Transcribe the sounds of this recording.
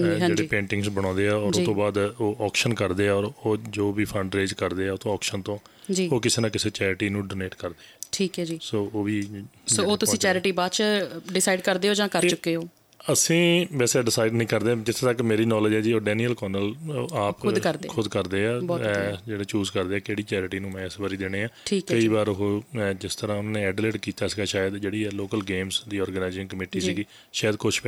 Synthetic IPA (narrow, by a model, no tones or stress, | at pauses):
ɦd͡ʒeːɽeːpẽːɳʈɪ̃ŋɡsbəɽ̃ɔ̃ːnd̪eːɛːɔːɾɾʊt̪õːbaːd̪oːʔɔːkʃənkəɾd̪eːɛːɔːɾoːd͡ʒoːʋiːpʰə̃ɳɖɾeːd͡ʒkəɾd̪eːɛːʊt̪õːɔːkʃənt̪õː | d͡ʒiːoːkɪseːnãːkɪseːt͡ʃɛːɾɪʈiːnũːɖoːneːʈkəɾd̪eːɛːʈʰiːkɛd͡ʒiːsoːoːʋiːsoːoːt̪ʊsĩːt͡ʃɛːɾɪʈiːbaːt͡ʃɖɪsaːiɖkəɾd̪eːoːd͡ʒãːkəɾt͡ʃʊkːeːoː | əsĩːbɛːseɖɪsaːɪɖnəĩːkəɾd̪ẽːd͡ʒɪt̪ʰːet̪əkːmeːɾiːnɔːləd͡ʒɛːd͡ʒiːoːɖɛːniːəlkɔːnəlaːpʊkəɾd̪eːkʰʊd̪kəɾd̪eːaːbɔːɛd͡ʒeːɽeːt͡ʃuːzkəɾd̪eːɛːkeːɽiːt͡ʃɛːɾɪʈiːnũːmɛ̃ːɪsbaːɾiːd̪eːneːãːʈʰiːkkəiːbaːɾʊɦoːd͡ʒɪst̪əɾãːʊnːneːɛːɖleːɖkiːt̪aːsiːɡaːʃaːjəd̪d͡ʒeːɽiːɛːloːkəlɡeːmsd̪iːɔːɾɡənaːɪzɪ̃ŋkəmeːʈiːsiːɡiː | ʃaːjd̪kʊt͡ʃʰp